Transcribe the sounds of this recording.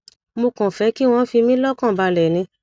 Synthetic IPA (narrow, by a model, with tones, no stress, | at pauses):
mo˧kã˨fɛ˨˦ki˦w̃ɔ̃˧˦fi˧mĩ˦lɔ˦kã˦˨ba˧lɛ˨nĩ˧˦